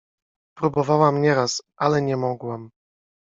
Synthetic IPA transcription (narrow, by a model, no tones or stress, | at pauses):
pɾubɔvawamɲɛɾasʔalɛɲɛmɔɡwam